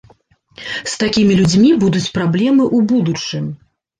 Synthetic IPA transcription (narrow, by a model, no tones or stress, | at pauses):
st̪akʲimʲilʲud͡zʲmʲibud̪ut͡sʲpɾablʲɛmɨʔubud̪ut͡ʂɨmʲ